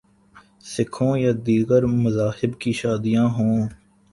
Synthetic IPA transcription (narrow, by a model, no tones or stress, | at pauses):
sɪkʰõːjaːd̪iːɡəɾmʊzaːhɪbkiːʃaːd̪ijãːɦõː